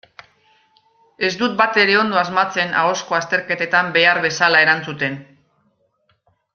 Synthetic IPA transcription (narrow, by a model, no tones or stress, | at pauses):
e̞zd̪ut̪̚bat̪e̞ɾe̞o̞nd̪o̞azmat͡se̞na̰o̞sko̞ast̪e̞ɾke̞t̪e̞t̪ambe̞aɾβe̞salae̞ɾant͡sut̪e̞n